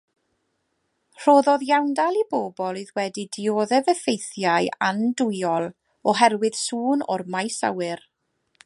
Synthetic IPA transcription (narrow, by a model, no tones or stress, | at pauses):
r̥oːðɔðjawndalˠiboːbɔlˠiðwɛdidɪoːðɛvɛfejθjaja̰ndʊjɔlˠ | ɔɦɛrwɨð̥suːnɔ̰rmajsa̰wɨr